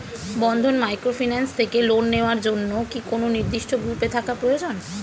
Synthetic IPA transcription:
bɔnd̪ʱonmajkɾofinanst̪ʰekelonːeoaɾd͡ʑonːokikononiɾd̪iʃʈʰoɡupet̪ʰakapɾojod͡ʑon

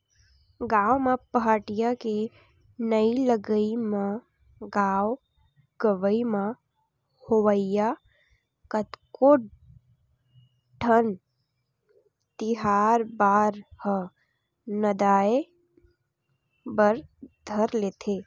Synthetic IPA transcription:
ɡaːwmãpəɦaːʈɪjake | nəiləɡəimã | ɡaːw | ɡəʋəimã | hoʋəjja | kət̪koɖ | ʈʰən | t̪ɪɦaːɾbaːɾhə | nəd̪aːe | bəɾd̪ʱəɾleːt̪ʰe

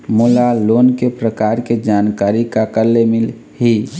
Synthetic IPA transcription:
mulalonkepɾəkaɾked͡ʒankaɾikakəɾlemil | ɦi

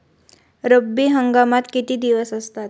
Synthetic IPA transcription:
ɾəbːiːɦəŋɡamat̪kit̪iːd̪iʋəsəst̪at̪̚

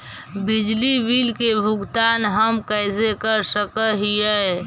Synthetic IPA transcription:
bɪd͡ʒlibilkebʱʊɡt̪aːnɦəmkəɪsekəɾsəkəɦijɛ

